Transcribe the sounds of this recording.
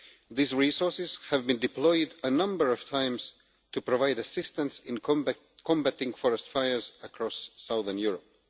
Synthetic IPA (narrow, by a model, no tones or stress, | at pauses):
ðizɹisɔɹsɪz̥hævbɨ̃ndɨplɔɪdənʌ̃mbə˞ʌv̥tʰãɪ̃mz̥ | tʰupɹɔvaɪdɨsɪstə̃nsɪ̃n | kʰɔ̃mbætɪ̃ŋfɔɹɛstfajə˞zəkʰɹ̥ɔsːaʊðə˞njuɹɔp̚